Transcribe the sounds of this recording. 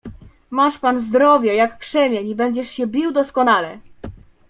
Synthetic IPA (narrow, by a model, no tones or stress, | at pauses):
maʂpanzd̪ɾɔvʲjɛjakːʂɛmʲjɛɲibɛɲd͡ʑɛʂɕɛbʲiwd̪ɔskɔnalɛ̰